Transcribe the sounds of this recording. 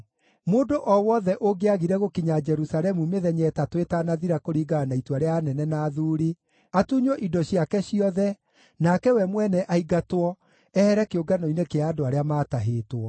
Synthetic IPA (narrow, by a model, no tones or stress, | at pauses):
moːdoʔɔwɔðɛʔoɡeaɣiɾɛɣokiɲad͡ʒɛɾusalɛmumeðɛɲɛtatwetanaðiɾakoɾiɡaːnaituaɾeaːnɛnɛnaðuːɾi | atuɲwɔʔidɔɕiakɛɕiɔðɛ | nakɛwɛmwɛnɛʔaiɡatwɔ | ɛhɛɾɛkeoɡanɔinekeaːdoaɾeamaːtaɦeːtwɔ